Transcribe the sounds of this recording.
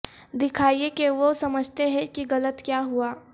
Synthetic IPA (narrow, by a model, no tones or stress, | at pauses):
d̪ɪkʰaːiekeʋosɐməd͡ʒʱt̪eɦɛ̃kiɣɐlət̪kjaːɦuaː